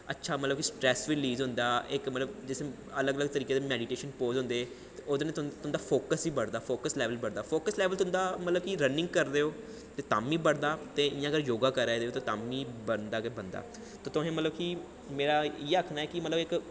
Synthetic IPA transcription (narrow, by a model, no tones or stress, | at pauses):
ətːʃʰaːmət̪ləbkisʈɾɛːsʋiːliːzɦʊnd̪aːɪkmət̪ləbd͡ʒɪse | ələɡələɡ̚t̪əɾiːkeːd̪eːmɛːɖiːʈeːʃənpoːzʊ̃nd̪eː | od̪nẽt̪ʊnd̪aːpʰoːkəsiːbəɽd̪aːpʰoːkəslɛːʋəlbəɽd̪aːpʰoːkəslɛːʋəlt̪ʊ̃nd̪aːmət̪ləbkiɾənɪ̃ŋɡkəɾd̪eːoː | t̪eːt̪aːmiːbəɽd̪aːt̪eːɪjãːɡəɾjoːɡaːkəɾɛːd̪eːoːt̪oːt̪aːmiːbənd̪aːkebənd̪a̰ː | t̪oːt̪ʊɦẽːmət̪ləbki | meːɾaːieaːkʰnaːɛːkɪmət̪ləbɪk